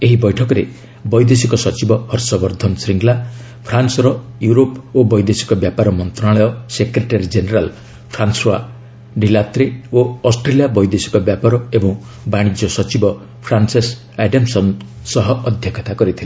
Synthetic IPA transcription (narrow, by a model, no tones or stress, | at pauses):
eɦibɔjʈʰɔkɔɾe | bɔjd̪esikɔsɔt͡ʃibɔhɔɾsɔbɔɾd̪ʱɔnsɾiŋɡla | pʰɾansɔɾɔjuɾopobɔjd̪esi̥kɔbjapaɾɔmɔnt̪ɾaɭɔjɔsekɾeʈaɾid͡ʒeneɾal | pʰɾanswa | ɖilat̪ɾeoɔsʈɾelijabɔjd̪esi̥kɔbjapaɾɔebɔ̃ŋ | baɽ̃id͡ʒɔsɔt͡ʃibɔ | pʰɾanses | aɖemsɔn | sɔɦɔɔd̪ʱjɔkʰɔt̪akɔɾit̪ʰile